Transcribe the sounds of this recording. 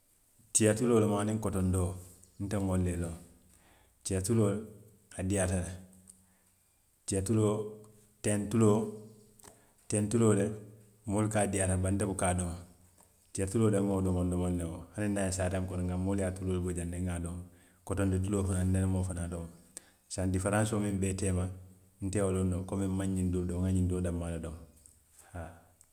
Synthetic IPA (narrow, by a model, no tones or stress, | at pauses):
t͡ʃijatuloːlmaːnĩŋkotondo | n̩teŋolːelo | t͡ʃijatuloːl | adiatale | t͡ʃijatulo | tentulo | tentuloːle | molikadiatabantebukaːdoŋ | t͡ʃiatuloːdemːodomondɔmonːeŋohaninːajsaːtaŋkonŋɡamoliatuloːlbod͡ʒanːeŋɡadom | kɔtondit̬uloːfanandenmofanadoma | sandifaɾãnsomimbɛtɛːma | n̩tɛolondokomimmaɲːindodoŋaɲindoːdamːaledom | ha